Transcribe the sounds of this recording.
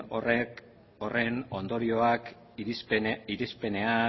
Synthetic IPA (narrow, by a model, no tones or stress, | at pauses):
ore̞no̞nd̪o̞ɾio̞ak | iɾispe̞ne̞a